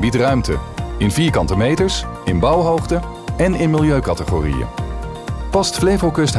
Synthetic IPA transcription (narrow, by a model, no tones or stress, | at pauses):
bitrœɥmtə̰ɪnviːɹkɑntəmejtəɹsɪnbɑwɦowχtə | ɛnɪnmɪlˠjøɥkɑtəχo̰rḭjə̰ | pɑstflejvəlˠkɵst